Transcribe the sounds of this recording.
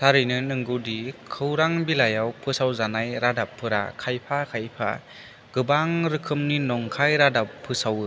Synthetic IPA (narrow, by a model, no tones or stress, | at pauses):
saɾɯjnɯnɯŋɡudikʰɯwɾaŋbilajawpʰɯsawzanajɾadapʰːɯɾa̰kʰajpʰakʰajpʰa̰ | ɡ̥ɯbaŋɾɯkʰɯmninɔŋkʰajɾadapʰːɯsawɯ